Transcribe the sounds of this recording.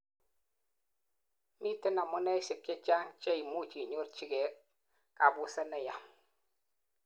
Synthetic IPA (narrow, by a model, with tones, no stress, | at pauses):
mi˦ti˦na˨mu˦na˦si˨p̚t͡ʃe˦t͡ʃa˦ŋt͡ʃe˦jmu˦t͡ʃi˨ɲo˦ɾt͡ʃi˦ɡe˨ | ka˨bu˨sa˦na˨ja˨